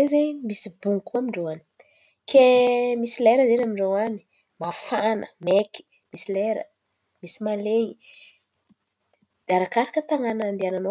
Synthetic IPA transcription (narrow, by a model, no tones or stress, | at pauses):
ezemisibuŋkuamiɳɖ͡ʐowani̥ | kemisilɛɾəzenamiɳɖ͡ʐowani̥ | mafanə̰meki̥ | misileɾə̰ | misimalei | d̪̥aɾakaɾakət̪aŋanand̪ianano